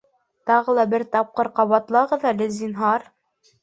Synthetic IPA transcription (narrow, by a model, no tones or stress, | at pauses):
t̪ɑʁɤlˠɑbɘɾt̪ɑp̚qɤɾqɑβɑt̪lˠɑʁɤðælɘzinɦɑɾ